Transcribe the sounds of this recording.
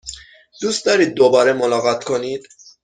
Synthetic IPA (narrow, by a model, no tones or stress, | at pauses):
d̪̥uːst̪d̪ɒːɾiːd̪̚ːobɒːɾemolɒːɣɒt̪ʰkʰo̞niːd̪̥